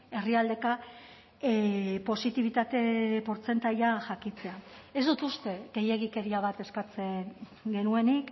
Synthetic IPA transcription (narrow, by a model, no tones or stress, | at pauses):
e̞riald̪e̞ka | po̞sit̪iβ̞it̪at̪e̞po̞ɾt͡se̞nt̪aʎaʝakit͡se̞ae̞zd̪ut̪ust̪e̞ɣe̞je̞ɣ̞ike̞ɾiaβ̞at̪e̞skat͡se | ɡe̞nue̞nik